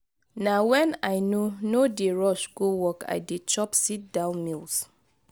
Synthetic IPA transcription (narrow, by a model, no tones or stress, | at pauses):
nawɛ̃naɪnonodeɹɔʃɡowɔka̰ɪdet͡ʃɔpsit̚dãʊ̃nmils